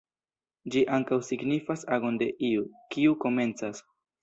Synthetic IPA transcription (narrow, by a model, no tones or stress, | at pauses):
d͡ʒiʔaŋkawsiɡnifasaɡo̞nde̞ʔiukiuko̞me̞nt͡sas